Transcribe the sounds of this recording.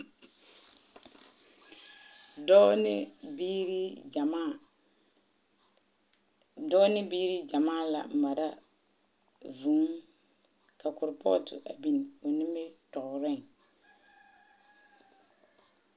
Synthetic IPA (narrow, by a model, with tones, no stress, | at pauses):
dn˦bi˦ɾi˦d͡ʒa˨ma˦˨ | dɔ˦nɪ˦bi˦ɾi˦d͡ʒa˨maː˦˨la̰˨m̩˨ma˨da˦ | vu˨˦ŋ | ka˨kʊ˨ɾpɔ̰˦tʊ̰˨ʔa̰˨bi˦nɪ˨o˨nɪ˦mɪ˦tɔ˨ʔʊ˨ɾɪ˦ŋ